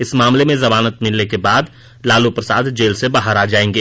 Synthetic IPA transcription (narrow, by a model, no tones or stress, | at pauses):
ɪsmaːmlemẽzɐmaːnət̪mɪlnekebaːd̪ | laːlupɾəsaːd̪d͡ʒeːlsebaːɦəɾaːd͡ʒaːẽːŋɡeː